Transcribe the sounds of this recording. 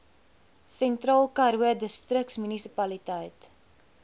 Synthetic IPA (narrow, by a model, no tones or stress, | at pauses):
sɛntrɑːlˠkɐɾuədəstrəksmynisipɐlitəjt